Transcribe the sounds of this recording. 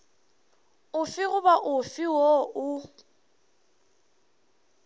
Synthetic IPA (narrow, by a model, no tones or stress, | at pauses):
ʊfɪɣʊbaʔʊfɪwoʔʊ